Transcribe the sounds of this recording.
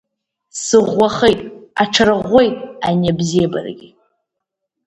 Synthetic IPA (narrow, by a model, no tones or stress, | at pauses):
sɨʁʷːaχejtʼa̰ʈ͡ʂʰaɾɨʁʷːe̞jtʼanabzijaba̰rɡʲi